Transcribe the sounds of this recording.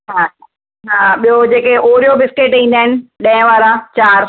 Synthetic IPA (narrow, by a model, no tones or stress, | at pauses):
ɦaː | ɦaːɓijod͡ʑeːkeʔoːɾijobɪskeːʈĩːn̆d̪aːɪnɪ̆ɗɐ̃ɪ̃ʋaːɾãt͡ɕaːɾ